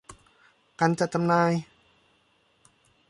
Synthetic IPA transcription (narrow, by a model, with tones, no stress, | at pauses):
ka˧˨nt͡ɕa˨˩t͡ɕa˧mnaː˧j